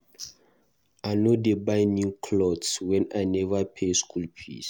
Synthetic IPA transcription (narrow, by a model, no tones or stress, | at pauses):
ajnodebajnĩŋkʰlɔdswɛ̃najnɛvapʰeskʰulpʰḭs